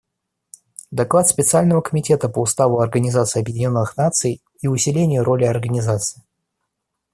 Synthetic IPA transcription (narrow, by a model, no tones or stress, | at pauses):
d̪ɐklˠat̪spʲɪt̪sɨalʲnəvəkəmʲɪtʲe̞t̪əpəʊst̪avʊɐrɡənʲɪzat̪sɨjɐbjɪdʲɪnʲo̞nːɨxnat̪sɨj | iʊsʲɪlʲenʲɪjʊɾʔo̞lʲɪɐrɡənʲɪzat̪sɨ̥ɪ